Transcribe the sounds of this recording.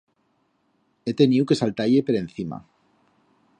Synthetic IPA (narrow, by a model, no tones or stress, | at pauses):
et̪e̞niuwke̞salt̪aʎepeɾenθima̰